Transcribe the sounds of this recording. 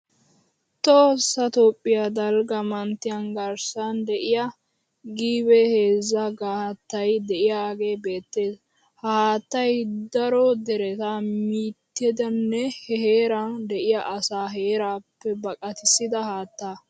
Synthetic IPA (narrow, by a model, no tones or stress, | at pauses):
t̪oːsːɐt̪oːpʼːɪjad̪ɐlɡɐmɐnt̪ːɪjɐnɡɐɾsɐnd̪ɛʔɪjɐ | ɡiːbɛheːzːɐɡaːhɐt̪ːɐjd̪ɛʔɪjaːɡe̞ːbe̞ːt̪ːe̞ːd | haaːt̪ːɐjd̪ɐɾɔd̪ɛɾɛt̪amiːt̪ːɛd̪ɐnːɛhɛheːɾɐnd̪ɛʔɪjɐʔɐsaːɦeːɾaːpːɛbɐkʼɐt̪ɪsːɪd̪ɐhaːt̪ːaː